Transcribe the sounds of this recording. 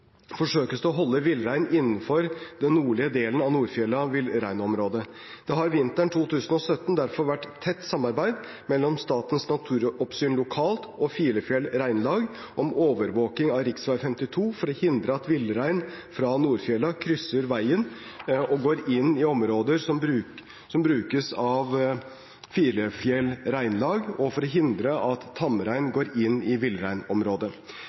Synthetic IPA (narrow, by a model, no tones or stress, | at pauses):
fɔʂøːkəsd̪ɔɦɔlːəʋɪlɾæɪnɪnːən̩fɔɾd̪ɛnːuːɭɪəd̪eːlənɑʋnuːɾfjɛlɑʋɪlɾæɪnɔmɾoːd̪ə | d̪̥ɛɦɑɾʋɪnt̪æɳʈ̪ʰuːt̪ʰʉːsənɔsœt̪ːnd̪æɾfɔɾʋæʈːt̪ʰːɛt̪ːsɑmːɑɾbæɪd̪ | mɛlːɔmst̪ɑːt̪ən̩snɑt̪ʰʉːɾɔpsyːnlʊkʰɑːlt̪ɔfiːləfjɛlɾæɪnlɑːɡ | ʔɔmoːʋəɾʋoːk̪ɪŋɑɾɪksʋæɪfɛmt̪ɪt̪ʰuːfɔɾɔhɪnd̪ɾəɑt̪ʋɪlːəɾæɪnfɾɑnuːɾfjɛlɑkʰɾʏsːəɾʋæɪənɔɡoːɾɪnːɪɔmɾoːd̪əɾsɔmbɾʉː | sɔmbɾʉːkəsɑʋ | fiːɾəfjɛlɾæɪnlɑːɡɔfɔɾɔɦɪnd̪ɾəʔɑt̪ʰːɑməɾæɪnɡoːɾɪnːɪʋɪlːɾæɪnɔmɾoːd̪ə